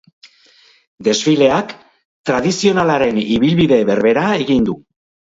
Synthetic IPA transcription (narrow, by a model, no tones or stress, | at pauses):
d̪e̞zfile̞ak | t̪ɾaðisio̞nalaɾe̞niβilβiðe̞βe̞ɾβe̞ɾaeɣind̪u